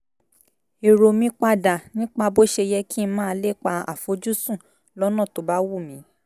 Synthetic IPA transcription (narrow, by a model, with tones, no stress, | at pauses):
e˨ɾo˨mĩ˧˦k͡pa˧da˨nĩ˦k͡pa˧bo˦ʃe˧jɛ˧ki˦˧mãː˦˧˦le˦˨k͡pa˧a̰˨fo˨˦d͡ʒu˦sũ˦˨ | lɔ˦nã˦˨to˨ba˨˦wu˦˨mĩ˨˦